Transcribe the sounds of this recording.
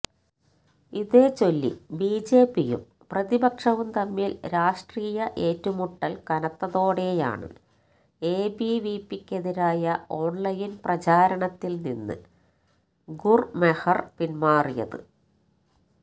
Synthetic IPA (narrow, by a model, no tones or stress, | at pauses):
iðe̞ːt͡ɕo̞lːḭbiːd͡ʑe̞ːpːijṵm | prɐðibɐkʂɐʋumt̪ɐmːiːlɾaːʂʈriːjɐʔe̞ːtːumuʈːɐlkɐnɐt̪ːɐðo̞ːɽe̞ja̰ːɳɨ̰ | eːbiʋiːpːikʲːɐðiɾaːjɐo̞ːɳlɐjinprɐt͡ɕaːɾɐɳɐt̪ːilninːɨ̰ | ɡurmehɐrpinmaːrijɐ̰ðɨ̰